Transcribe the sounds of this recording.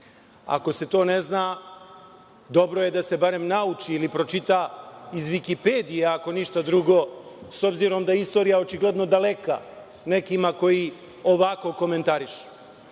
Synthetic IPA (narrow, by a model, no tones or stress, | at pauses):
a̰ko̞se̞t̪o̞ːne̞zna | d̪o̞bɾo̞je̞d̪ase̞baɾemnaut͡ʃiːlipɾo̞t͡ʃit̪aizʋikiped̪ijeako̞niʃt̪ad̪ɾuɡo̞so̞bziɾo̞md̪aist̪o̞ɾijao̞t͡ʃiɡle̞d̪no̞d̪ale̞ka̰ | nekimako̞ji | oʋako̞ko̞me̞nt̪aɾiʃu̥